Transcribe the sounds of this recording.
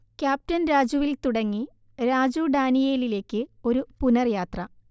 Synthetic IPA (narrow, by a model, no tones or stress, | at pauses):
kʲjaːp̚tɐnɾaːd͡ʑuʋilt̪uɽɐŋːi | ɾaːd͡ʑuɖaːnijeːlile̞ːkːɨo̞ɾupunɐrjaːt̪rɐ